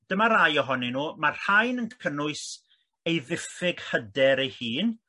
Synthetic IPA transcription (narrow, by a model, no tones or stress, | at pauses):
d̥əmaɾajɔɦɔninuːmar̥hajnənʰənʊɨs | ejðɪfɪɡ̥hədɛɾejhiːn